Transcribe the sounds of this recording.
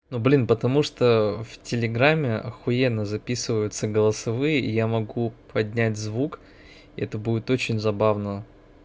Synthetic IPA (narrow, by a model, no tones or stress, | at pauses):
nublʲinpət̪ɐmuʂt̪oftʲɪlʲɪɡɾamʲːɪɐ̰xʊjenːəzɐpʲisɨvəjʊt̪səɡəlˠəsɐvɨjəʔijamɐɡupɐdʲnʲætʲzvuk | ɪɛt̪əbudʲɪt̪ot͡ɕɪnʲzɐbavnə